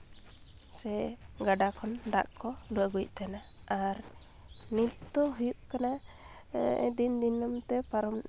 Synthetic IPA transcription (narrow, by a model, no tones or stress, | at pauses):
sɛɡaɖakʰɔnd̪a̰ʔkɔluwəɡuc̚t̪anaaɾ | nit̪t̪ɔɦujuʔkana | ɛ̰d̪ind̪inəmt̪ɛpaɾɔm